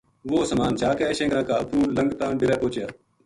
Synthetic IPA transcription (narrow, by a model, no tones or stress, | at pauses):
ʋoːsəmaːnt͡ʃaːkeːʃẽːɡɾãːkaːəpʰɾuːləŋɡt̪ãːɖɪɾɛːpoːt͡ʃjaː